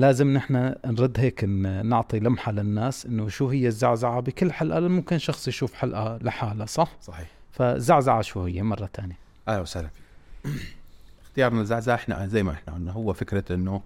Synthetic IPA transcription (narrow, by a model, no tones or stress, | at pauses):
laːzɪmnɪħnanɾˤɑd̪ːɦeːknnʊʕt̪ˤilamħalɪnːaːsʔɪnːʊʃuːɦɪjːazːaʕzaʕabɪkɪlːħalʔalamʊmkɪnːʃɑxsˤjʃuːfħalʔalɪħaːlasˤɑħsˤɑħiːħfaɪ̰zːaʕzaʕaʃuːhɪjːamɑrˤːɑt̪ʰaːnja | ʔalawsala | ʔɪxt̪ɪjɑːɾˤnazːaʕzaʕaʔɪħna̰zajːmaʔɪħnaʕʊnːaɦʊwːafɪkɾaʔɪnːu